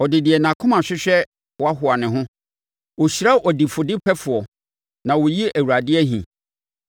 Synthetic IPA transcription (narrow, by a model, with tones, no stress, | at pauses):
ɔ˨dɪ˨dɪ˨ɛ˨nã˨kʰʊ̃˦mã˨ɕᶣɪ˦ɕᶣɛ˦ | wɔ˦a˦ɦʊ˨a˨nɪ̃˨ɦʊ̃˦ | wo˨ɕi˨ɾa˦ʔɔ˨di˨fʊ˨dɪ˦pʰɛ˦fʊ˨ɔ˨ | nã˨wʊ˨ji˦ʔæ˨wu˨ɾa˨dɪ˦ɛ˦ɦḭ̃˨